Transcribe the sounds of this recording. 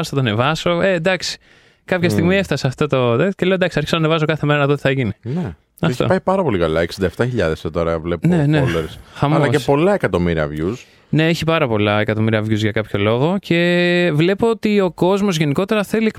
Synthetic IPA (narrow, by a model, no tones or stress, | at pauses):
sθɐt̪one̞vɐso̞ed̪ɐksi̥ | kɐpçɐst̪iɣmieft̪ɐse̞ɐft̪o̞t̪oðecele̞od̪ɐksiɐɾçi̥sonɐnevɐs̬okɐθemeɐnɐðo̞t̪i̥θɐʝinine | ɐft̪o̰pɐjipɐɾɐpo̞likɐlɐ̰eksind̪ɐeft̪ɐçiʎɐ̰ðest̪oɾɐvlepneneleɾsxɐmɐlolɐsepo̞lɐekɐt̪o̞miɾiɐ̰vʝus | ne̞eçipɐɾɐpo̞lɐekɐt̪o̞miɾiɐvʝuzʝɐkɐpço̞lo̞ɣo̞ce̞vle̞po̞ot̪io̞ko̞zmo̞zʝe̞niko̞t̪e̞ɾɐθe̞liek